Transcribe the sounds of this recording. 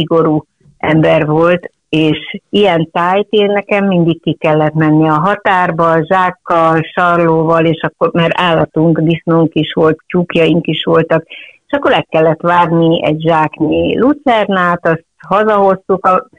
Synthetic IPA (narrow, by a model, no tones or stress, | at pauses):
iɡo̞ɾuː | ɛmbɛrvo̞lt̪ | eːʃijɛnt̪aːjt̪eːnːɛkɛmːind̪ikkikɛlːɛt̪mɛnːiɒɦɒt̪aːrbɒʒaːkːɒlʃɒrloːvɒleːʃɒkːormaɾaːlːɒt̪uŋkd̪isnoːŋkiʃʋo̞lt̪t͡ʃukjɒjiŋkiʃʋo̞lt̪ɒkeːʃɒkːo̞ɾɛkːɛlːɛt̪ʋaːɡniɛ̰ɟʒaːknilut̪sɛrnaːt̪ɒst̪hɒzɒɦo̞st̪ukɒ